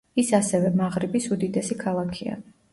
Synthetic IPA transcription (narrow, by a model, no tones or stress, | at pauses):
isasɛvɛmaʁɾibisud̪id̪ɛsikʰalˠakʰia̰